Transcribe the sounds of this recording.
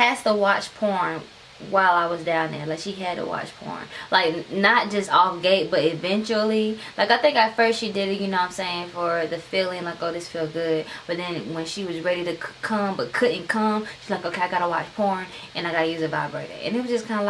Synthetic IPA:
æstəwɑt͡ʃpʰɔɹn | waɪlˠaɪwʌzdãʊ̃nðə̰˞laɪkʃiɨd̚tə̰wɑ̰t͡ʃpʰɔ̰ɹnlʔaɪk̚nət̚d̥ʒ̥ʌstɔfɡeɪt̚b̥ʌɾɨvɛ̃nt͡ʃl̩ˠilaɪkaɪθɪ̃ŋkaɪfɜ˞stʃidɪɾɨt̚jɨnoʊãɪ̃mseɪɪ̃ŋfə˞ðɨfilˠɪ̃ŋlaɪkoʊðɪsfilˠɡʊd̚b̥ʌt̪̚ðɨ̃nwɨ̃nʃiwʌzɹɛɾiɾɨkʰʌ̃mbʌt̚kʰʊdⁿn̩kʰʌ̃mʃiʌzlaɪkoʊkʰeɪaɪɡɑɾəwɑt͡ʃpʰɔɹn | ʔɨ̃naɪɡɑɾɨjʉzɨbaɪbɹeɪɾɨ̰ʔɨ̰̃nɨt̚wʌzd͡ʒʌskʰãɪ̃ndəl

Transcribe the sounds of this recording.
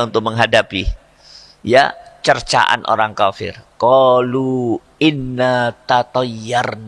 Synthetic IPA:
unt̪ʊk̚məŋɦadapi | ja̰t͡ʃərt͡ʃa̰ʔa̰nʔo̰ɾaŋkafɪ̰rkɔlu | ɪnːat̪at̪ɔjːarn

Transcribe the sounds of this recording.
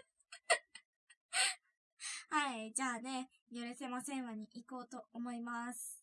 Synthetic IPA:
haid͡ʑaːne̞ | joɾɯse̞masẽ̞ɰ̃βaɲ̟iʔiko̞ːt̪o̞omo̞imasɨ̥

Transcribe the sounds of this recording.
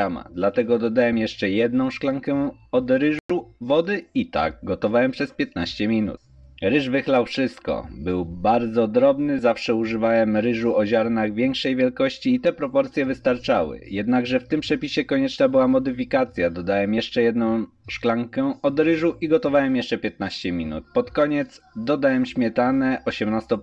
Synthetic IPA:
ama̰d̪lat̪ɛɡɔd̪ɔd̪awɛmjɛʂt͡ʂɛjɛd̪nɔ̃w̃ʂklaŋkɛɔd̪ɾɘuvɔd̪ɘit̪a̰ɡ̚ɡɔt̪ɔvawɛmpʂɛspʲjɛt̪̚naɕt͡ɕɛmʲinṵt̪̚ | ɾɘʐvɘxlawfʂɘst̪kɔ̰bɘwbaɾd̪zɔd̪ɾɔbnɘzafʂɛuʐɘvawɛmɾɘʐuɔʑaɾnaɣvʲjɛŋkʂɛjvʲjɛlkɔɕt͡ɕiːt̪ɛpɾɔpɔɾt̪sʲjɛvɘst̪aɾt͡ʂawɘ̰jɛd̪naɡʐɛft̪ɘmpʂɛpʲiɕɛkɔɲɛt͡ʂnabɘwamɔd̪ɘfʲikat̪sʲjad̪ɔd̪awɛmjɛʂt͡ʂɛjɛd̪nɔ̃w̃ | ʂklaŋkɛɔd̪ɾɘʐuʔiɡɔt̪ɔvawɛmjɛʂt͡ʂɛpʲjɛt̪̚naɕt͡ɕɛmʲinṵt̪̚pɔt̪kɔɲɛt̪sd̪ɔd̪awɛmɕmʲjɛt̪anɛʔɔɕɛmnast̪ɔ

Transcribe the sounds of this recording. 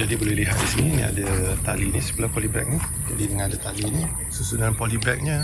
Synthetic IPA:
d͡ʒadibolɛhliɦat̪̚disininḭa̰dat̪alinisə̥bəlapɔlibɛ̰k̚ni | d͡ʒadidəŋãnadat̪alini | səsudanpɔlibɛk̚ɲa

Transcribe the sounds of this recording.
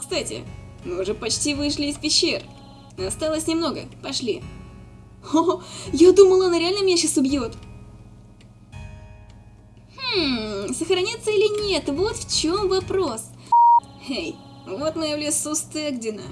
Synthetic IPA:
kst̪atʲɪ̰ | mɨʊʐɛpɐt͡ɕtʲivɨʂlʲɪːspʲɪɕːer | nɐst̪alˠəsʲnʲɪmno̞ɡə̰pɐʂlʲḭ | ojad̪uməlˠəɐnaɾʲɪalʲnəmʲenʲʂɨsʊbʲjot̪ | h̩səxɾɐnʲat̪səilʲɪnʲet̪vo̞t̪ft͡ɕo̞mvɐpɾo̞s | hej | vo̞t̪nəjlʲɪsust̪eɡdʲɪnə̰

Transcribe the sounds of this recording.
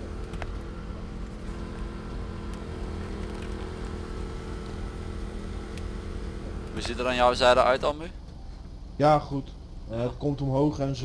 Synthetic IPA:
ʋuzitəɾaːnjɔwzɛjdəʔœɥtɑlˠmy | jaːχut | ɦətkɔmtɔmɦowχɛnz

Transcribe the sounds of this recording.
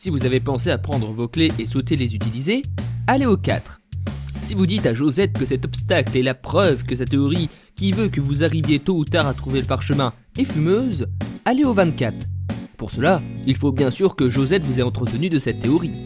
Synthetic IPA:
sivuzavepɑ̃seapχɑ̃d̪ʁəvokleʔesot̪elezyt̪ilizealeoka̰t̪χsivud̪it̪aʒozɛt̪̚kəsɛt̪ɔpst̪aklɛlapχœvkəsat̪ːeɔʁi | kʲivøkəvuzaʁivjet̪out̪aʁat̪χuveləpaʁʃəmɛ̃ | efymøzaleovɛ̃t̪kʲat̪χpuʁsəlailfobjɛ̃syʁkəʒozɛt̪vuzɛɑ̃t̪χət̪ənyd̪əsɛt̪ːeɔʁi

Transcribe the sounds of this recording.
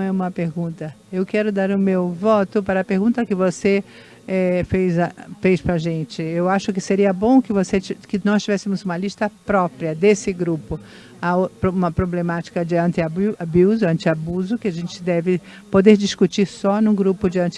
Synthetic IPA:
ɛũmɐpeɾɡũnt̪ɐ | ewkɛɾʊd̪aɾʊ̃mewvɔt̪ʊpaɾɐpeɾɡũnt̪ɐkɪvose | ɛfejzafejspɾɐʒẽnt͡ʃɪewaʃʊkɪseɾiɐbõw̃kɪvosekɪnɔst͡ʃivɛsɪmʊzũmɐlist̪ɐpɾɔpɾjɐd̪esɪɡɾupʊ | apɾũmɐpɾoblemat͡ʃi̥kɐd͡ʒɪɐ̃nt̪ɪababiwzɐ̃nt͡ʃ̪ɪabuzʊkɪaʒẽnt͡ʃɪd̪ɛvɪ | pod̪eɾd͡ʒiskut͡ʃiɾsɔnʊ̃ɡɾupʊd͡ʒɪɐ̃nt͡ʃ

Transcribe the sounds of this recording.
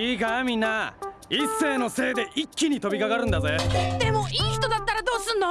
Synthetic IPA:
iːɡamʲinːaisːe̞ːno̞se̞ːd̪e̞ʔikʲːiɲ̟it̪o̞bʲikaɡaɾɯ̟̃nd̪azed̪̥e̞mo̞iːçi̥t̪o̞d̪at̪ːaɾad̪o̞ːsɨno

